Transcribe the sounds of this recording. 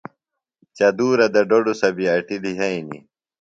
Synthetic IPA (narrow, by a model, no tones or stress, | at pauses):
t͡ɕɐd̪uːɾɐd̪ɐɖoɖusɐbiɐʈiliɦɐinḭ